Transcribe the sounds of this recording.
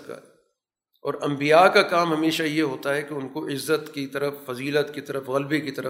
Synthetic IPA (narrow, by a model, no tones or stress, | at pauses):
ka̰ɛ | ɔ̰ːɾɐ̃mbijaːkakaːmɦɐmeːʃajeɦoːt̪aɦɛkeʊnkoʔɪzːət̪kit̪ɐɾəffɐziːlət̪kit̪ɐɾəfɣɐlbekit̪ɐɾə